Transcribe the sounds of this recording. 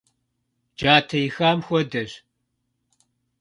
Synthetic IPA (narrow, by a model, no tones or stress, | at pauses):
d͡ʒaːtʰɐjixaːmxʷɔdɐʒ